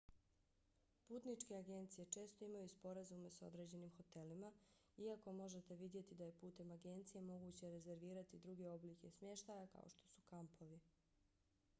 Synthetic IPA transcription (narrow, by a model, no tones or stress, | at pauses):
puːt̪nit͡ʂke̞aɡe̞nt̪sije̞t͡ʃe̞ːst̪o̞imajuspo̞ɾazume̞so̞̰d̪ɾe̞ːd͡ʑe̞nimxo̞t̪e̞lima | iako̞mo̞ʒe̞t̪e̞ʋid̪je̞t̪id̪aje̞puːt̪e̞maɡe̞nt̪sije̞mo̞ɡuːt͡ɕe̞ɾe̞ze̞ɾʋiːɾat̪id̪ɾuɡe̞o̞bliːke̞smje̞ʃt̪ajaka̰o̞̰ʃt̪o̞̥su̥kampʰo̞ʋi